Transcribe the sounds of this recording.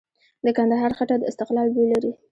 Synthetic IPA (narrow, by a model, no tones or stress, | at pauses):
d̪əkand̪aɦɑɾxaʈad̪əɪst̪ɪqlɑlbelaɾi